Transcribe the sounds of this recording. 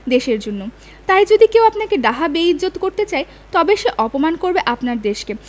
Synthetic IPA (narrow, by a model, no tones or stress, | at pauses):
d̪eʃeɾd͡ʑonːo | t̪ajd͡ʑod̪ikewapnakeɖaɦabeiːot̪koɾt̪et͡ɕae | t̪ɔbeʃeʔɔpomankoɾbeʔapnaɾd̪eʃke